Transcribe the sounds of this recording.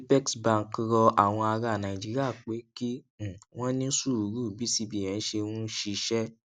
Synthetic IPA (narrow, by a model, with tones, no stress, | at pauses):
pɛ˦ksbã˦˨ŋ˨kɾɔ˧ʔa˨w̃ɔ̃˧a˧ɾa˨nã˨i˨d͡ʒi˨˦ɾi˦a˦˨k͡pe˨˦kĩ˦˨ | w̃ɔ̃˦nĩ˦su˦˨u˨ɾu˦˨bi˨˦si˧bi˨ɛ̃˨n̩˦ʃe˧wũ˦ʃi˧ʃɛ˦